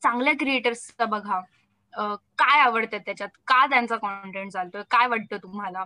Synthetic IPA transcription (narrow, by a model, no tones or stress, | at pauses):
t͡sãŋɡljakɾieʈəɾsabəɡʱa | əkajaʋəɽt̪at̪ːjat͡ɕjat̪kat̪jant͡sakɔɳʈeɳʈ̚d͡zʱalt̪ojkajʋaɽ̤̚t̪ət̪um̤ala